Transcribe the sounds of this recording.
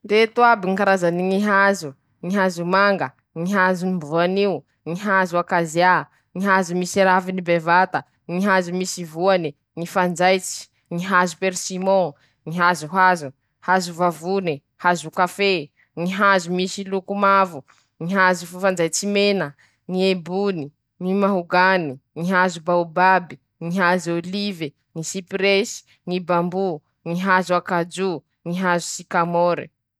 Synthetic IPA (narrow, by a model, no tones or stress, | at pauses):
det̪uabiŋikaɾazaniŋiɦazu | ŋiɦazumaŋɡə | ŋiɦazunimbuaniu | ŋiɦazuakazia | ŋiɦazumisiɾavinibevat̪ə | ŋiɦazumisivuani | ŋifand͡zajt͡si̥ | ŋiɦazupeɾsimõ | ŋiɦazuɦazu | hazuvavuni | hazukafe | ŋiɦazumisilukumavu | ŋiɦazufufand͡zajt͡simenə | ŋiebuni | ŋimaɦuɡaniŋiɦazubaubabi | ŋiɦazolive | ŋisipɾesi̥ | ŋibambu | ŋiɦazuakad͡ʒu | ŋiɦazusikamoɾḭ